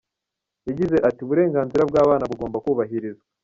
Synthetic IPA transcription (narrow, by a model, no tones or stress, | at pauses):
jaɟize̞ʔatiuβuɾe̞ːŋɡaːnziɾabɡaːβaːnaβuɡo̞ːmbakuːβaɦiɾiza